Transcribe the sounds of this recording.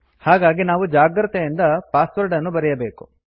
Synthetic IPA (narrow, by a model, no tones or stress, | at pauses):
haːɡaːɡinaːʋud͡ʒaːɡɾɐt̪ejind̪ɐpaːsʋɐɾɖɐnːubɐɾɛjɐbeːku̥